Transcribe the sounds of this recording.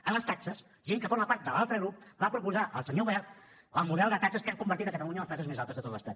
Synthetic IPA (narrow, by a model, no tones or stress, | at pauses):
ənləst̪aksəs | ʒeŋkəfoɾməpaɾt̪̚d̪əlalˠt̪ɾəɣɾup̚bapɾupuzaʔə̰lˠsəɲoβɛl | əlˠmuðɛlˠd̪ət̪aksəskamkumbəɾt̪it̪əkət̪əluɲəməst̪aksəzmezalˠt̪əzðət̪ot̪ləst̪at̪